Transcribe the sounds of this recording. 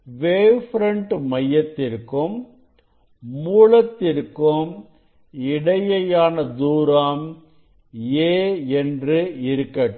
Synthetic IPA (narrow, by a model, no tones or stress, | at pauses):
ʋeːɾfɾɐɳʈmɐjːɐt̪ːɪrkɯm | uːlɐt̪ːɪɾkɯm | ɪɽɐjɐjaːnɐd̪uːɾaːm | eːɛndrɯɪɾɯkːɐʈ